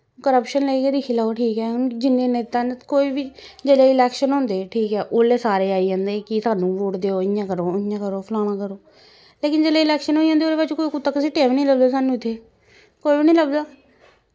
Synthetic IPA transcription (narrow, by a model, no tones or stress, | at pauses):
kəɾəpʃənləiːkeːd̪ɪkʰiːlaːoʈʰiːkɛːd͡ʒɪnːẽːneːt̪aːnkoːiːbiːd͡ʒeleːɪlɛːkʃənɦõːnd̪eːʈʰiːkɛːʔoːleːsaːɾeːaːiːãːnd̪eːkɪsaːnũːʋoːʈd̪eːoːɪjãːkəɾoːɪjãːkəɾoːpʰəlaːnãːkəɾoː | leːkɪnd͡ʒeːleːɪlɛːkʃənɦoːiãːd̪eoːd̪eːpat͡ʃːkoːikʊt̪ːaːkəsiːʈeːʋːnĩːləbd̪aːsaːnũːɪt̪ʰːeː | koːibiːnĩːləbd̪aː